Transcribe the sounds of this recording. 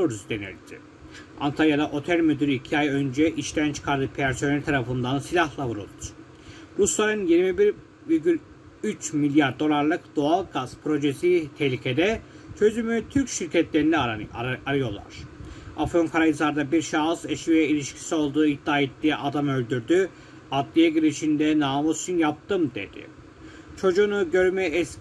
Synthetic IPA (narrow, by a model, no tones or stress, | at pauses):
uɾuzd̪enḭlʲd̪ʰḭ | a̰nt̪ʰaɾjad̪aʔo̞t̪ʰælʲmød̪yɾʲyicʰiajø̞nd͡ʒɛʔiʃt̪ʰænt͡ʃʰɯ̥kʰaɾd̪ɯpʰæɾso̞nelʲt̪ʰaɾafɯnd̪ansilʲahlˠavuɾṵlˠd̪u̥ɾ̥ | ɾuslˠaɾɯnjiɾmibiɾ | viɾɟʲylʲ | yt͡ʃmilʲjaɾd̪o̞lˠaɾlˠɯkd̪̥oalˠɡazpʰɾo̞ʒesit̪ʰɛhlʲicʰed̪ɛ | t͡ʃʰø̞zymyt̪ʰyɾcʃiɾcʰɛt̪lʲe̞ɾinɛaɾɯjo̞lˠa̰ɾ̥afonkʰaɾajɯzaɾd̪abiɾʃaːɯzeʃiɛilʲiʃcʰi̥sio̞lˠd̪uːid̪ːaːet̪ːiːʔad̪amø̞lʲd̪yɾd̪y | ad̪lʲijɛɟiɾiʃind̪ɛnaːmot͡ʃynjap̚t̪ʰɯmd̪ḛd̪̥ɪ̰ | t͡ʃʰo̞d͡ʒuːnuɟø̞ɾmɛɛs